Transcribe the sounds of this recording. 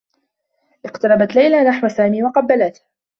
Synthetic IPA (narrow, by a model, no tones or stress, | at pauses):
ʔɪqt̪ɑɾˤɑbat̪lajlanaħwasaːmiːwɑqɑbːalat̪h